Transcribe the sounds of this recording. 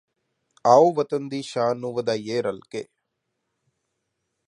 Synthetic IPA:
aːuːʋət̪ənd̪iːʃaːnuːʋəd̪aːjeːɾɐlkeː

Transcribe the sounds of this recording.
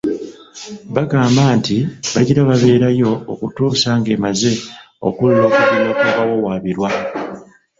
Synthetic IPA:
βaɡaːmbaːntiβaɟiɾaβaβe̞ːɾajo̞ːkutuːsaŋɡe̞ːmaze̞ | o̞̰kullo̞ːkuβilakuːkawo̞waːβiɾwa

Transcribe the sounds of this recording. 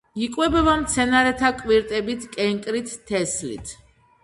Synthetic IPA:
ikʼwɛbɛbamt̪sʰɛnaɾɛt̪ʰakʼwiɾt̪ʼɛbit̪ʰkʼɛŋkʼɾit̪ʰːɛslḭt̪ʰ

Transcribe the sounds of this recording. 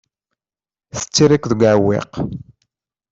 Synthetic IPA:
θə̥t͡sːiɾikðəɡʷʕwːḛq

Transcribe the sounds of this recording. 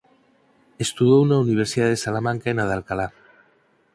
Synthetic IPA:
est̪uðounauniβ̞eɾsiðaðesalamãŋkaenaðalkala

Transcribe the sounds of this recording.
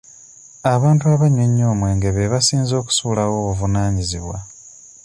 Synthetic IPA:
aβaːntuaβaɲoɲːo̞ːmwe̞ːŋɡe̞βe̞βasiːnzo̞ːku̥suːlawo̞ːβuvunaːɲizḭβwa̰

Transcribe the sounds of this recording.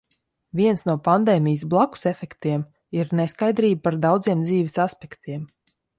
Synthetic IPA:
vʲiɛnsnuɔpand̪eːmʲijsblˠaku̥sɛfɛkt̪iɛm | iɾneskajd̪ɾiːb̚paɾd̪awd̪ziɛmd̪ziːʋɛsaspɛkt̪ʰiɛm

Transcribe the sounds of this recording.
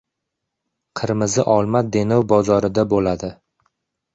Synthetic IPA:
qʰɨɾmɪzɪʔɒlˠmad̪e̞nɒwbɒzɒɾɪd̪abolad̪ɪ

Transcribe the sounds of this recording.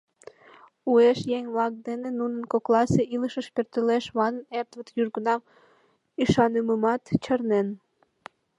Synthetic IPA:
ueʃjeŋʲβlɑk̚d̪enenunənkoklɑseʔiləʃəʃpørt̪øleʃβɑnənert̪βət̪jyrɡənɑm | iʃɑnəməmɑt̪t͡ɕərnen

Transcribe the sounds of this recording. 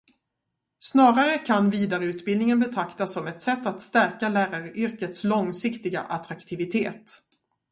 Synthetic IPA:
snɑːɾaɾəkʰanviːd̪aɾəʉ̟ːt̪bɪld̪nɪŋənbɛt̪ʰɾakt̪asːɔmɛt̪sɛt̪ːat̪st̪æɾkalæːɾaɾəʔʏɾkət̪slɔŋsɪkt̪ɪɡa̰ʔat̪ɾakt̪ʰɪvɪt̪ʰeːt̪

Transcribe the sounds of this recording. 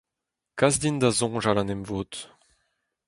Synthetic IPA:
kazd̪ind̪azɔ̃ʒalanɛmvoːt̪

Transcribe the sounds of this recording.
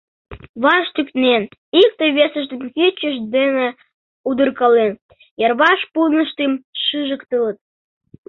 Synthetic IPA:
βɑʃt̪yk̪nenik̚t̪əjβesəʒd̪ə̆mkit͡ɕəʃd̪ene | ud̪ə̆rkɑlen | jɑrβɑʃpulnə̆ʃt̪emʃɨʒəkt̪ələ̆t̪̚

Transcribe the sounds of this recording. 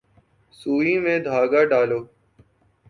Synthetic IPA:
suːĩːmẽːd̪ʱaːɡaːɖaːloː

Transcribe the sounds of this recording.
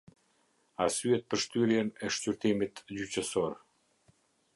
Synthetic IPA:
asyɛt̪̚pəɾʃt̪yɾjɛnɛʃcyɾt̪imit̪d͡ʑyt͡ɕəsɔɾ

